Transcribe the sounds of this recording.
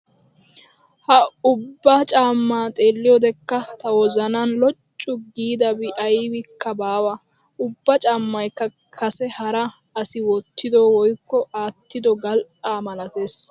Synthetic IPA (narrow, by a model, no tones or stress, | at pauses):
hɐʊbːɐt͡ʃʼaːmːaːt̪ʼe̞ːlːɪjɔd̪ɛkːɐt̪ɐwɔzɐnanlɔt͡ʃʼːʊɡiːd̪ɐbɪʔɐjwɪkʰːɐbaːwɐ | ʔʊbːɐt͡ʃʼaːmːɐjkːɐ | kʰɐsɛhɐɾɐ | ɐsɪwɔt̪ːɪd̪oːwɔjkːɔaːt̪ːɪd̪ɔɡɐlʔaːmɐlɐt̪e̞ːs